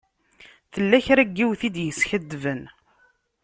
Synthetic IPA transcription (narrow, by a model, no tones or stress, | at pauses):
θəlːæçɾæɡːiwθid̪jəsçəd̪ːvən